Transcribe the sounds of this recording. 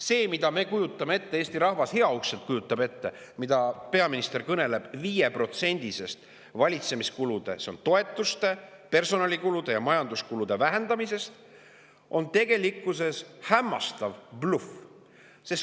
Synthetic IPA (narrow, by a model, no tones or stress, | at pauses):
se̞ːmid̪̥ɑme̞kujut̪ːˑɑmeet̪ːe̞e̞ːst̪iɾɑɦvɑshe̞ɑukselt̪̚kujut̪ˑːɑbe̞t̪ːe̞ | mid̪ɑpe̞ɑminist̪e̞rkɤne̞le̞b̥viːje̞pro̞t̪se̞nʲd̪̥ise̞st̪ | vɑlʲit̪se̞miskulud̪̥e̞̰se̞o̞nt̪o̞e̞t̪ːˑust̪e̞ | pe̞rso̞nɑlikulud̪̥e̞jɑmɑjɑnd̪uskulud̪̥e̞væɦe̞nd̪ɑmise̞st̪ | ʔo̞nt̪e̞ɡ̥e̞likːˑuse̞shæmːɑst̪ɑvb̥luf | se̞s